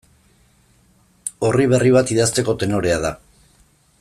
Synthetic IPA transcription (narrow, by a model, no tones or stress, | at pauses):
o̞riβ̞e̞riβ̞at̪ið̞ast̪e̞ko̞t̪e̞no̞ɾe̞að̞a